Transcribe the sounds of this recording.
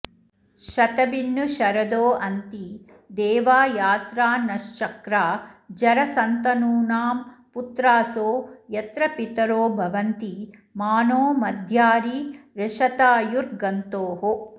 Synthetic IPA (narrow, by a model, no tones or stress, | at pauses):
ʃɐt̪ɐbinːuʃɐɾɐd̪oːɐnt̪i | d̪ɛːʋaːjaːt̪ɾaːnɐʃt͡ʃɐkɾaːd͡ʒɐɾɐsɐnt̪ɐnuːnaːmput̪ɾaːsoːjɐt̪ɾɐpit̪ɐɾoːbʱɐʋɐnt̪imaːnoːmɐd̪ʱjaːɾiɾɐʃɐt̪aːjuɾɡɐnt̪oːɦo